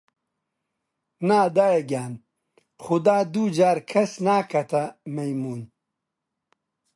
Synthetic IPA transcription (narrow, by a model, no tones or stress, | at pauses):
naːd̪aːjeɡaːn | xʊd̪aːd̪ud͡ʒaːɾkʰɐsnaːkʰɐt̪ʰɐmejmuːn